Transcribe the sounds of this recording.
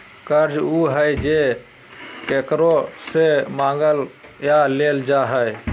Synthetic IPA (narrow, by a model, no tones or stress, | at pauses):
kəɾd͡ʒuɦəjd͡ʒe | kekɾosemãɡəljaleld͡ʒaɦəj